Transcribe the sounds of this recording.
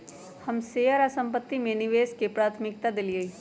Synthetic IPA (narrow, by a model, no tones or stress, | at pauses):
hɐmseːəɾasɐ̃mpət̪ːimẽnɪʋeːskepɾaːt̪ʰmɪk̚t̪ad̪ɪlie